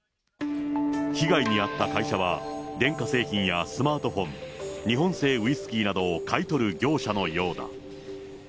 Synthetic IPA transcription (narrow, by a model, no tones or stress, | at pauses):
çiɡaiɲ̟iat̪ːakaiɕaβ̞a̰d̪ẽ̞ŋkase̞ːçĩɰ̃jasɨmaːt̪o̞ɸõ̞nɲ̟iɦõ̞ɰ̃se̞ːɯ̟isɨ̥kʲiːnad̪o̞ːkait̪o̞ɾɯ̟ɡʲo̞ːɕano̞jo̞ːd̪a̰